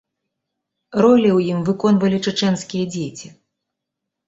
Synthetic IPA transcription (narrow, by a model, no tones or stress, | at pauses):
rɔlʲiwjimvɨkɔnvɐlʲit͡ʂɨt͡ʂɛnskʲijɐd͡zʲet͡sʲi